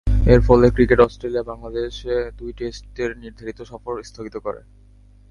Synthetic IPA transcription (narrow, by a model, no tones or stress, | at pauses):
eɾfɔlekɾikeʈɔsʈɾeliabaŋlad̪eʃed̪ujʈesʈeɾniɾd̪ʱaɾit̪oʃɔfoɾst̪ʰoɡit̪okɔɾḛ